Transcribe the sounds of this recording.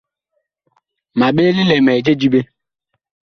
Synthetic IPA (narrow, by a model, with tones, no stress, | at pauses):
ma˨ɓe˦lɪ˦le˨me˨d͡ʒe˦d͡ʒi˦be˦